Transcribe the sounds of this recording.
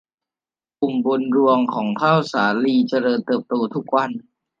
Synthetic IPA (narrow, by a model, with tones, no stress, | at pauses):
ku˨˩mbo˧nɾu˧əŋkʰɔː˩˦ŋt̪ʰaː˥˩wsaː˩˦liː˧t͡ɕa˧ɾɤː˧nt̪ɤː˨˩p̚t̪oː˧t̪ʰu˦˥k̚wa˧n